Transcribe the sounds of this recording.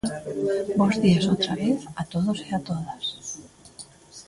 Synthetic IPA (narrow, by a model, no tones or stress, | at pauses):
bozðiasot̪ɾaβeθat̪oðoseat̪oðas